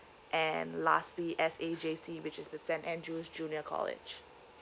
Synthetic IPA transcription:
ʔɛ̃nlastliʔɛsed͡ʒesiwɪt͡ʃɪzdəsɛ̃ntɛ̃ndɹusd͡ʒũnjəkʰɔ̰lɪ̰d͡ʒ

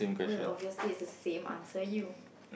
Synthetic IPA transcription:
ẽmkʰɛɛɔviəsliɪsdəsẽmʔã̰nsəju

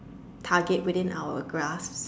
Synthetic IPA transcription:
tʰaɡɛt̚wɪðɪ̃nʔa̰wəɡɹasps

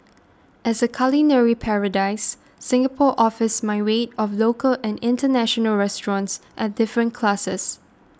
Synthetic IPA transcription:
ʔɛsəkʰalinɛɹipʰɛɹədaɪsː | ɪ̃ŋɡəpʰɔʔɔfəsmaɪwetɔflokʰəlɛ̃nɪ̃ntənæʃɔnəlɹɛstɹɔ̃ntsʔɛt̚dɪfɹə̃nkʰlasəs

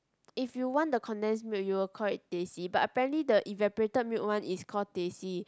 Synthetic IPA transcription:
ifjuwɔ̃ndəkʰɔ̃ndɛ̃nsmjut̚juwikʰɔlit̚tesibatəpɛɹə̃ntlidəʔĩvɛpəɹetəd̚mjuʔ̚wãnʔiskʰɔdesi

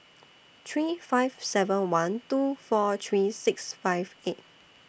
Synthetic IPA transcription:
t̪ʰɹifaɪvsɛvə̃nwãntufɔt̪ʰɹisɪksfaɪvet̚

